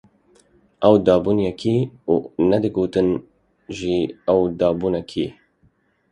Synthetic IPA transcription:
ʔɛwd̪ɑːbuːnjɛkʰiːuːnɛd̪ɨɡoːt̪ɨn | ʒiɛwd̪ɑːbuːnɛkʰḭ

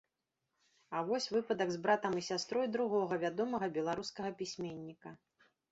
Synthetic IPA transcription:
ɐvɔsʲvɨpɐd̪ɐɡzbɾat̪ɐmisʲast̪ɾɔjd̪ɾuɣɔɣɐvʲad̪ɔmɐɣɐbʲɛlˠaɾuskɐɣɐpʲisʲmʲenʲːikɐ

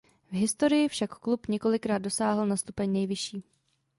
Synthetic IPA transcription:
vɦɪst̪o̞ɾɪjɪfʃakːlupɲɛko̞lɪkɾaːd̚do̞saːɦl̩nast̪upɛɲnɛjvɪʃiː

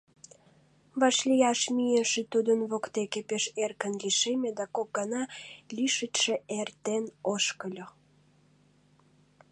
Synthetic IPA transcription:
βɑʃlʲijɑʃmijeʃet̪ud̪ənβokt̪ekepeʃerkənliʃemed̪ækok̚ɡɑnɑlʲiʃətʃeʔert̪enoʃkəlʲo

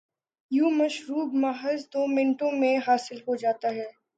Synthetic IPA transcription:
juːmɐʃɾuːbmaːɦəzd̪oːmɪ̃nʈõmẽɦaːsɪlɦod͡ʒaːt̪aɦɛː

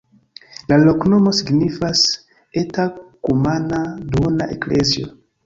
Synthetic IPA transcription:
lalo̞kno̞mo̞siɡnifas | etakumanadona̰ʔeklezio

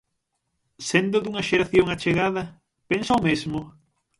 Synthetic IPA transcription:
send̪ʊd̪uŋɐʃeɾaθjoŋat͡ʃeɣaðɐ | pensaomezmʊ

